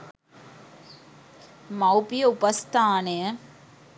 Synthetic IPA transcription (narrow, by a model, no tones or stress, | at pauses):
mɐwpijɐʊpɐst̪ʰaːne